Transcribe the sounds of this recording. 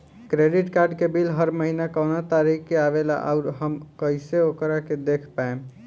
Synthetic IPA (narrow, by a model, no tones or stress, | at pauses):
kɾeɖiʈkaɾɖkebilɦəɾməɦinakənat̪aɾikːeabela̰ʔa̰ʊɾɦəmkəɪseokəɾaked̪ekʰpaẽ